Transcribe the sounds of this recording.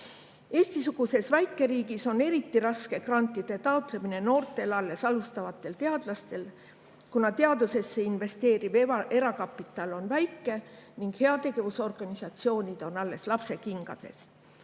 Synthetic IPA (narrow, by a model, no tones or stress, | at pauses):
e̞ːst̪isuɡ̥use̞svæjkˑːe̞ɾiːɡiso̞ne̞ɾit̪ːiɾɑske̞krɑnt̪ˑːid̪̥e̞t̪ɑot̪le̞mine̞no̞ːrt̪e̞lɑlːe̞sɑlust̪ɑvɑt̪ːˑe̞lt̪e̞ɑd̪̥lɑst̪e̞l | kunɑt̪e̞ɑd̪use̞sːe̞inve̞st̪e̞ːɾivʔe̞ɾɑkɑpːˑit̪ːˑɑlo̞nvæjkːˑe̞niŋɡ̥he̞ɑt̪e̞ɡ̥e̞vuso̞rɡ̥ɑnisɑt̪sio̞ːnʲid̪̥o̞nɑlːe̞slɑpse̞kiŋɡ̥ɑ̰d̪̥e̞̰s